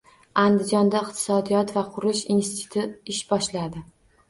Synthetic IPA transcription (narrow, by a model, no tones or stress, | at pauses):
and̪ɪd͡ʒɒnd̪aɪqt̪ʰɪ̥sɒd̪ijɒt̪vaqʰʊɾlɪʃinsɪt̪ʰʊ̥t̪ʰʊɪʃbɒʃlad̪ɪ